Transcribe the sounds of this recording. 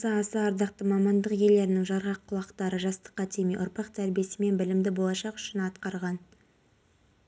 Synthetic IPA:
səɑsɑɑɾd̪ɑqt̪əmɑmɑnd̪əqje̞le̞ɾɪnɪŋʒɑɾʁɑqʰːʊlˠɑqt̪ɑɾəʒɑst̪ə̥qːɑt̪ʰemḛʔʊɾpɑqt̪ʰæɾbije̞sɪme̞nbɪlɪmd̪ɪbo̞lˠɑʃɑqʏ̥ʃɪnɑt̪qɑɾʁɑn

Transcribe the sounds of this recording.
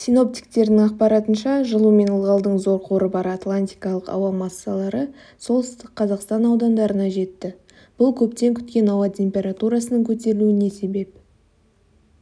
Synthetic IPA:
sino̞p̚t̪i̥k̚t̪e̞ɾd̪ɪŋɑq̚pɑɾɑt̪ənʃɑʒəlˠume̞nəlˠʁɑlˠd̪əɴzo̞ɾqʰo̞ɾəbɑɾɑt̪lˠanʲt̪ʲijkɑlˠəqɑ̰wɑmɑsːɑlˠɑɾə | so̞lˠsst̪ɪk̚qʰɑzɑqst̪ɑnɑwd̪ɑnd̪ɑɾənɑʒe̞t̪ːɪ | b̥ʊlˠkʲʰɵpt̪e̞ŋkʲʰʏ̥t̪̚kʲe̞nɑwɑt̪ʲʰe̞mpʲe̞ɾat̪uɾɑsənəɴkʲʰɵt̪e̞ɾɪluɪne̞se̞be̞p̚

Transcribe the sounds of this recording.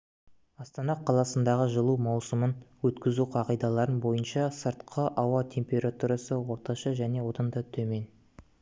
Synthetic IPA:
ɑst̪ɑnɑqʰɑlˠɑsənd̪ɑʁəʒəlˠumɑwsəmənwɵt̪kʲɪzuqʰɑqijd̪ɑlˠɑɾənbo̞jənʃɑsəɾt̪qʰəʔɑwɑt̪ʲʰe̞mpe̞ɾat̪uɾɑsəwo̞ɾt̪ɑʃɑʒæne̞wo̞t̪ɑnd̪ɑt̪ʰɵme̞n

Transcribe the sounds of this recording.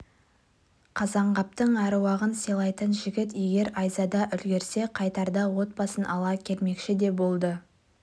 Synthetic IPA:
qʰɑzɑɴʁɑp̚t̪əɴæɾwɑʁənselˠɑjt̪ənʒɪɡʲɪt̪je̞ɡʲe̞ɾɑjzɑd̪ɑʔʏlɡʲe̞ɾse̞qʰɑjt̪ɑɾd̪ɑwo̞t̪̚bɑsənʔɑlˠɑkʲʰe̞lme̞kʃɪd̪e̞bo̞lˠd̪ə

